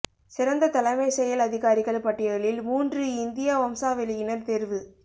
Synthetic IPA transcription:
sɪɾɐnd̪ɐt̪ɐlɐɪmɐɪsɛjɐlɐðɪɣaːɾɪɣɐɭpɐʈːɪɣɐɭɪlmuːndrɯɪnd̪ɪjaʋɐmsaːʋɛɭɯjɪnɐɾt̪ɛɾʋɯ

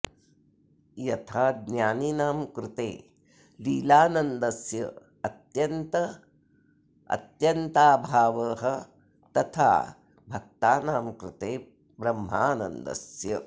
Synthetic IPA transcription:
jɐt̪ʰaːd̪njaːninaːmkɾɪt̪ḛː | liːlaːnɐnd̪ɐsjɐ̰ | ɐt̪jɐnt̪ɐ | ɐ̰t̪jɐnt̪aːbʱaːʋɐːɦɐ̆ | t̪ɐt̪ʰa̰ː | bʱɐk̚t̪aːnaːmkɾɪt̪eː | bɾɐmɦaːnɐ̰nd̪ɐ̰sjɐ

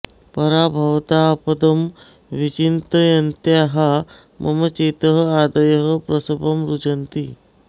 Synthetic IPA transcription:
pəɾabʱəʋt̪apəd̪əm | ʋit͡ɕint̪əjɐnt̪jaɦa | mʔəmət͡ɕet̪əɦəad̪əjəɦəpɾəsəpəmɾud͡ʒənt̪iː

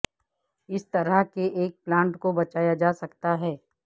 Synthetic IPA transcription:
ɪst̪ɐɾəɦkeʔeːk̚plãːɳʈkobɐt͡ʃaːjad͡ʒaːsɐkt̪aɦɛː

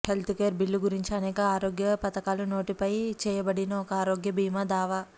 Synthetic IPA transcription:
he̞lt̪ukeːɾbilːuɡuɾiɲt͡ʃiɐnɛːkɐaːɾoːɡjɐpɐt̪ɐkaːluno̞ːʈipɐjt͡ʃɛːjɐbɐɽinɐɔkɐaːɾoːɡjɐbiːmɐd̪aːʋɐ

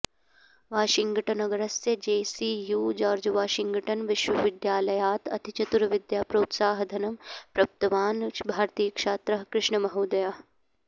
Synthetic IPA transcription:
ʋaːʃɪŋɡɐʈɐnɐɡɐɾɐsjɐd͡ʒeːsiːjuːd͡ʒaːɾd͡ʒɐʋaːʃɪŋɡɐʈɐnʋɪʃʋɐʋɪd̪jaːlɐjaːt̪ɐ̰t̪ʰit͡ʃɐt̪uɾɐʋɪd̪jaːpɾoːt̪saːɦɐd̪ʱɐnɐmpɾɐp̚t̪ɐʋaːnbʱaːɾt̪iːkʃaːt̪ɾɐɦkɾɪʃɳɐmɐɦoːd̪ɐjaː

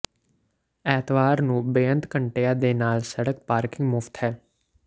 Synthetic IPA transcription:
ɛːt̪ʋaːɾnũːbeːə̃nt̪kəɳʈeːaːd̪eːnaːlsəɽək̚paːɾkɪ̃ŋɡmʊft̪hɛː

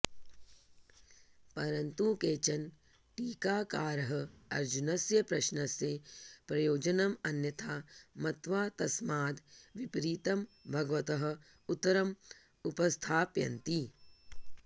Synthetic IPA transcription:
pɐɾɐnt̪ũkeːt͡ʃɐn | ʈiːkaːkaːɾɐɦɐ̆ɐ̰ɾd͡ʒunɐsjɐpɾɐʃnɐsjepɾɐjoːd͡ʒɐnɐmɐnjɐt̪ʰaːmɐt̪ʋaːt̪ɐsmaːd̪ʋipɾiːt̪ɐmbʱɐɡʋɐt̪ɐɦɐ̆ | ut̪ːɐɾɐm | upɐst̪ʰaːpjɐ̰nt̪i

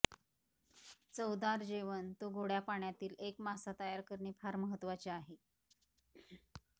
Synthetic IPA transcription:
t͡səwd̪aɾd͡ʑeʋənt̪oɡʱoɽjapaɳjat̪iːlekmasat̪əjaɾkəɾɳiːfʰaɾməɦət̪ːʋat͡ɕeaɦe

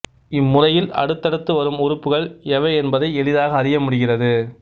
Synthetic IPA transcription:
ɪmːʊrɐjɪlɐ̰ɽɯt̪ːɐɽɯt̪ːɯʋɐɾɯmʊɾʊpːɯɣɐɭɛʋɐɛnbɐðɐɪɛɭɪðaːɣɐːrɪjɐmʊɽɯɣɪrɐðɯ

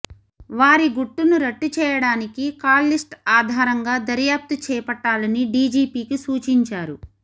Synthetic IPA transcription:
ʋaːɾiɡuʈːunuɾɐʈːut͡ʃɛːjɐɽaːnikikaːllisʈaːd̪ʱaːɾɐŋɡaːd̪ɐɾjaːp̚t̪ut͡ʃɛːpɐʈːaːlɐniɖiːd͡ʒiːpiːkisuːt͡ʃiɲt͡ʃaːɾu

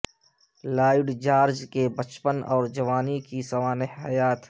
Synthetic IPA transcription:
laːɪɖd͡ʒaːɾd͡ʒkebət͡ʃpənɔːɾd͡ʒɐʋaːnikisɐʋaːnɪɦɦɐjaːt̪

